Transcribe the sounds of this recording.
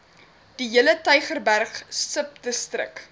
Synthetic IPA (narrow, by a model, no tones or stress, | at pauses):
d̥iɦələtœɥχərbærχsəp̚dəstrə̰k